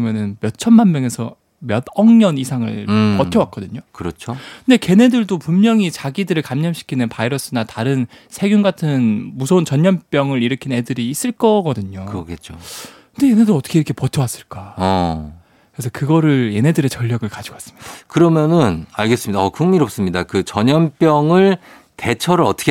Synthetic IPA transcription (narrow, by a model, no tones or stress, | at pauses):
mjʌnɯnmjʌt͡ɕʰʌnmanmjʌŋe̞sʰʌ | mjʌdʌŋɲʌnisʰaŋɯ̰ɭkʌtʰjʌwak͈ʌdɯɲokɯɾʌt͡ɕʰonde̞ke̞ne̞dɯɭdopumːjʌŋit͡ɕaɡidɯɾɯɭkamɲʌmɕʰi̥kʰinɯnpaiɾʌs͈ʰɯnataɾɯn | sʰe̞ɡjunɡatʰɯnmusʰʌunt͡ɕʌɲɲʌnp͈jʌŋɯɾiɾɯkʰinne̞dɯɾiːs͈ɯɭk͈ʌɡʌdɯɲokɯʌɡet͡ɕʰo | nde̞je̞ne̞doɾʌt͈ʰʌ̥kʰeiɾʌkʰe̞pʌtʰʌwas͈ɯɭk͈aʌ | kɯɾesʰʌkɯɡʌɾɯɭje̞ne̞dɯɾe̞t͡ɕʌʎːʌɡɯɭkad͡ʑiɡoas͈ɯ̥mɲid̥ḁkɯɾʌmjʌnɯnaɭɡe̞s͈ɯmɲidaʌkuŋmiɾop̚s͈ɯmɲidakɯt͡ɕʌɲʌnp͈jʌŋɯɭ | te̞t͡ɕʰʌɾɯɾʌt͈ʰɯ̥kʰ